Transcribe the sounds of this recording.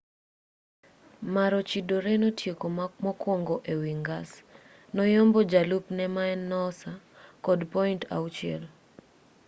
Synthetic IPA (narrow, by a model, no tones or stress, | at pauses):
maɾɔt͡ʃidoɾɛnotjekomɔkwɔŋɡɔʔewiŋɡas | nɔjɔmbɔd͡ʒalupnɛmaɛnːɔsa | kɔdpɔintʰa̰wt͡ʃɪɛ̰l